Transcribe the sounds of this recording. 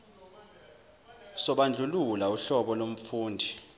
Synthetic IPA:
sɔɓand͡ɮʱululauɬɔɓɔlom̩fuːndʱi

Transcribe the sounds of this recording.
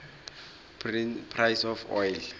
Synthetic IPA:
ppʰrajsɔfɔjl

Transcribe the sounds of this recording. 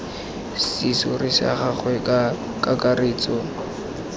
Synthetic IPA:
sisʊrɪsa̰χaχwɛ | kʼakareːt͡sʼɔ

